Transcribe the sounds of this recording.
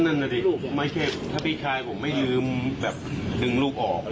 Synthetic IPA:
na˧˥˩na˧˩d̪i˧˩ma˧˩kʰe˧˥˩t̪ʰaː˥˩pʰiː˥˩kʰaː˧jpʰo˩˦mːa˥˩jːɯː˧mbɛː˨˩p̚dɯ˧ŋluː˥˩p̚ʔɔː˨˩k̚

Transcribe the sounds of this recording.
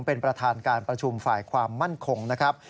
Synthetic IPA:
ŋpe˧npɾa˧t̪ʰaː˧nkaː˧npɾa˧t͡ɕʰu˧mfaː˨˩jkʰwaː˧mːa˥˩nkʰo˧ŋna˦˥kʰɾa˦˥p̚

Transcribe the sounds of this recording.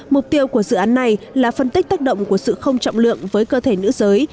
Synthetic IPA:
mʊ˨˩k͡p̚t̪i˧əwku˧˩əzɨ̰˧˨ʔaː˨˦nːa˨˩jlaː˨˩fə˧nt̪ï˦˥k̟̚t̪aː˦˥k̚ɗə̰˧˨wŋ͡mku˧˩əsɨ̰˧˨xə˧wŋ͡mt͡ɕɔ̰˧˨wŋ͡mlɨ̰˧˨əŋvəː˨˦jkəː˧t̪ʰe˧˩nɨ̰˧˥zəː˨˦j

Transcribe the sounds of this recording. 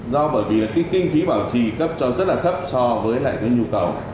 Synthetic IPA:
zɔ˧ɓəː˧˩jvi˨˩laː˨˩kaː˨˦jkï˧ŋ̟fi˨˦ɓaː˧˩wt͡ɕi˧˨˩kə˦˥p̚t͡ɕɔ˧zə˦˥t̚laː˨˩t̪ʰə˦˥p̚sɔ˧vəː˨˦jla̰ː˧˨jkaː˨˦jɲu˧kə˨˩w

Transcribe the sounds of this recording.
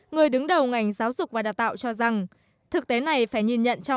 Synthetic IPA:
ŋɨ˨˩əjɗɨ˨˦ŋɗə˨˩wŋa˨˩jŋ̟zaː˨˦wzʊ˨˩k͡p̚vaː˨˩ɗaː˨˩w̚t̪a̰ː˧˨wt͡ɕɔ˧za˨˩ŋ | t̪ʰɨ˨˩k̚t̪e˨˦na˨˩jfaː˧˩jɲi˧˩nɲə̰˧˨nt͡ɕɔ˧

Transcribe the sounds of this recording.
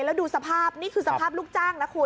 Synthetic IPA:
lɛ˦˥wduː˧sa˧pʰaː˥˩p̚niː˥˩kʰɯː˧sa˧pʰaː˥˩luː˥˩t͡ɕaː˥˩ŋna˦˥kʰuː˧˩

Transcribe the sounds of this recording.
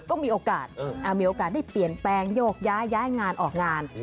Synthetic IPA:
kɔː˥˩miː˧ʔoː˧kaː˨˩t̪̚ːʔa˧˩wmiː˧ʔoː˧kaː˨˩t̪̚da˥˩jpli˨˩ənplɛː˧ŋjoː˥˩k̚jaː˦˥jːaː˦˥jŋaː˧nʔɔː˨˩k̚ŋaː˧n

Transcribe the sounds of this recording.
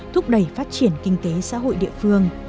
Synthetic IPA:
t̪ʰʊ˦˥k͡p̚ɗə˧˩jfaː˦˥t̚t͡ɕi˧˩ənkï˧ŋ̟t̪e˨˦sa̰ː˧˥ɦo̰˧˨jɗḭ˧˨əfɨ˧əŋ

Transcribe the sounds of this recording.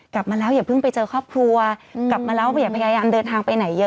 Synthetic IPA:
kla˨˩p̚maː˧lɛː˦˥wjaː˨˩pʰɯ˥˩ŋpa˧jt͡ɕɤː˧kʰɔː˥˩p̚kʰlu˧ɐkkla˨˩p̚maː˧lɛː˦˥wa˥˩jaː˨˩pʰa˧jaː˧jaː˧mdɤː˧nt̪ʰaː˧ŋpa˧jna˩˦jːɤ˦˥

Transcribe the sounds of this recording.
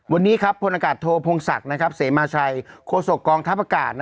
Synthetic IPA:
wa˧nːiː˦˥kʰa˦˥pʰːo˧nʔaː˧kaː˨˩t̪ʰːoː˧pʰo˧ŋsa̰˨˩k̚na˦˥kʰa˦˥p̚seː˩˦maː˧t͡ɕʰa˧jkʰoː˧so˨˩kːɔː˧ŋt̪ʰa˦˥p̚ʔa˧kaː˨˩t̪̚n˦

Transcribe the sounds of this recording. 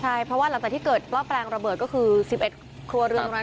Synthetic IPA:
t͡ɕʰa˥˩jpʰɾɔ˦˥waː˥˩la˨˩˦ŋt͡ɕaː˨˩t̪i˥kɤː˨˩t̪̚pʰlɔ˦˥˩mplɛː˧ŋɾa˧bəɤː˨˩t̪̚kɔ˥˩kʰɯː˧si˨˩p̚ʔe˨˩t̪̚ | kʰɾu˧ɾɯ˧

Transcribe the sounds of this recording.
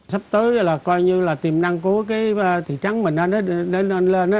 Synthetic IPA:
sa˦˥p̚t̪əː˨˦jlaː˨˩kɔ˧jɲɨ˧laː˨˩t̪i˨˩mna˧ŋku˧˩˦əkaː˨˦jt̪ʰḭ˧˨t͡ɕa˨˦ŋmï˨˩ŋ̟ʔa˨˧˦nɔ˨˦˧ne˨˦ne˧nle˧nʔ

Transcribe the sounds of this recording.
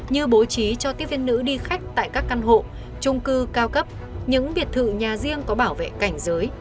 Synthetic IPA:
ɲɨ˧ɓo˨˦t͡ɕi˨˦t͡ɕɔ˧t̪i˦˥əvi˧nːɨ̰˧˥ɗi˧xa˦˥jk̟̚t̪a̰ː˧˨jkaː˦˥k̚ːa˧nɦo̰˧˨ | t͡ɕʊ˧ŋ͡mkɨ˧kaː˧wkə˦˥p̚ | ɲɨ̰˧˥ŋɓi˨˩ət̚t̪ʰɨ̰˧˨ɲaː˨˩zi˧əŋkɔ˨˦ɓaː˧˩wvḛ˧˨ka˧˩jŋ̟zəː˨˦j

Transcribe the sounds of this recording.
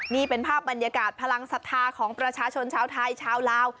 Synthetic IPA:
niː˥˩pe˧npʰaː˥˩p̚ba˧nja˧kaː˨˩t̪̚pʰa˧la˧ŋsa˧˥t̪ʰːaː˧kʰɔː˩˦ŋpɾa˧t͡ɕʰaː˧t͡ɕʰo˧nt͡ɕʰaː˧wt̪ʰa˧jt͡ɕʰaː˧wlaː˦˥w

